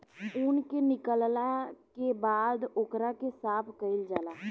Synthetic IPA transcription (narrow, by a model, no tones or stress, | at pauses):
ʊnkenɪkəllakebaːd̪ʊkɾakesaːpʰkəɪld͡ʒaːlaː